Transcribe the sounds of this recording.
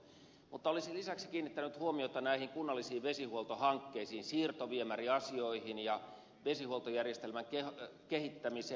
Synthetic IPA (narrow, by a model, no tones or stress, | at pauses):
mut̪ːɑolisilisæksi̥kiːnːit̪ːænyt̪huomiot̪ɑnæihiŋkunːɑlːisiːʋʋesihuolˠt̪ohɑŋkːeisiːnsiːrt̪oʋiemæriɑsioihinjɑ | ʋesihuolt̪ojærjest̪elmæŋkekehit̪ːæmiseː